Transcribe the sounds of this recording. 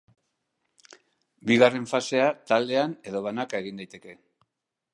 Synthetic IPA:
biɣare̞ɱfase̞at̪ald̪e̞ane̞ðo̞βanake̞ɣ̞ind̪ajt̪eke̞

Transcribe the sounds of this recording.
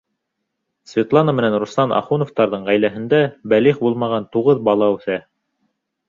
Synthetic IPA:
svʲɪt̪lˠɑnamɘ̆nænrust̪ɑnɑ̰χunŏft̪ɑɾðɤɴʁæjlæɦɘ̆nd̪æbæliχbulˠmɑʁɑnt̪uʁɤðbɑlˠɑʉθæ

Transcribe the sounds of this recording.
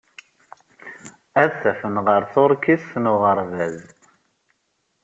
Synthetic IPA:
æðθæfənʁəɾθʊɾˤkiθθnʊʁəɾˤvæz

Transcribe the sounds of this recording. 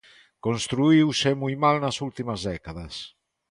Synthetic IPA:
konst̪ɾuiwsemujmalnɐsult̪imɐzðɛkaðɐs

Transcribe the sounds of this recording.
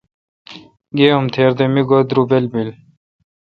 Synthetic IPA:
ɡeːomt̪ʰeːɾd̪emiɡod̪ɾubelbil

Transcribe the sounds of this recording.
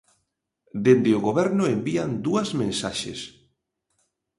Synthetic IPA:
d̪end̪ɪoɣoβɛɾnʊembiand̪uɐzmẽnsaʃḛs

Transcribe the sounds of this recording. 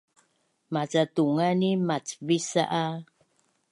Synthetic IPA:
mat͡satuŋanimat͡səvisa̰ʔa

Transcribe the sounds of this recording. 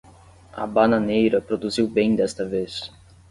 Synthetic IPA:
ɐ̰banɐ̃nejɾɐpɾod̪uziwbẽj̃d̪ɛst̪ɐves

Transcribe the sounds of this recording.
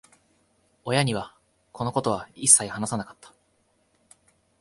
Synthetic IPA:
o̞jaɲ̟iβ̞a | ko̞no̞ko̞t̪o̞β̞aisːaihanasanakḁt̪ːḁ

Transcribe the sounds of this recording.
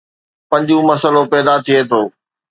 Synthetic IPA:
pɐ̃ɲd͡ʑũmɐsəlopɛːd̪at̪ʰiet̪ʰoː

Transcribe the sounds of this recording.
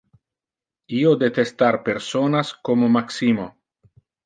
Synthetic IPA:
iod̪et̪est̪aɾpeɾsonaskomomaksimo

